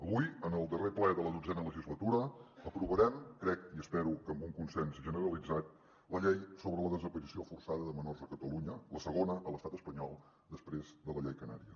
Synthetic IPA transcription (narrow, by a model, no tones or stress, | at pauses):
əβujənəlˠd̪əreplɛðələðud͡zɛnələʒizlət̪uɾəəpɾuβəɾɛmkɾɛkiəspɛɾukəmbuŋkunsɛnsʒənəɾəlid͡zat̪̚ | ləʎejsoβɾələðəzəpəɾisiofursaðəðəmənɔrzðəkət̪əluɲələsəɣonəʔəlˠəst̪at̪əspəɲɔlˠ | d̪əspɾezðələʎejkəna̰ɾiə